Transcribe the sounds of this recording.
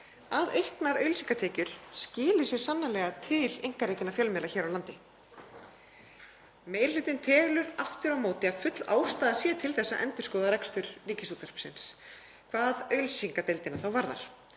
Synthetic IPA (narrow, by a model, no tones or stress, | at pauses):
aðejhknaɾœɥlsiŋkat̪ʰeːcʏɾ̥scɪːlɪsjɛɾ̥sanːalɛːɣat̪ʰɪlejŋ̥kaɾeːjcɪnafjœlmɛlaçɛːɾawlant̪ɪ | meːjɾlɪːt̪ɪnt̪ʰɛːɣlʏɾaft̪ɪɾawmoːwt̪ɪaðfʏt̪l̥a̰ːwst̪aːðasjɛt̪ʰɪlθɛsːaʔɛ̰nt̪ʏ̥skɔːðaɾɛkst̪ʏɾ̥riːcɪsuːt̪ar̥psɪ̰ns | kʰvaːðœɥlsiŋkat̪ejlt̪ɪnaθawvaɾða̰ɾ̥